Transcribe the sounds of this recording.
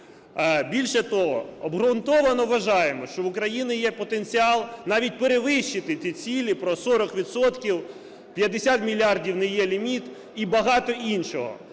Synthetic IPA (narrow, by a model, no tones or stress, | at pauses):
bʲilʲʃɛt̪ɔɦɔ̰ɔbɦɾʊnt̪ɔʋɐnɔʋʋɐʒɑjemɔʃt͡ʃɔwʊkɾɐjinʲɪjɛpɔt̪enʲt͡sʲiɑlˠnɑʋʲit̚ʲpeɾeʋɪʃːɪt̪ɪt̪ʲit͡sʲilʲipɾɔsɔɾɔkʋʲid̪sɔt̪kʲiw | pʲjɐd̪esʲat̪mʲilʲiɑrdʲiwnɛjɛlʲimʲit̪ | ibɐɦɑt̪ɔʔinʃɔɦɔ̰